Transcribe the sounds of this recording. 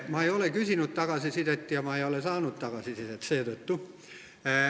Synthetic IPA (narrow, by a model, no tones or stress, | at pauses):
mɑeiolekysinyt̪t̪ɑkɑsisit̪et̪ːjɑmɑeiolesɑːnut̪t̪ɑkɑsisit̪et̪seːt̪ot̪ːu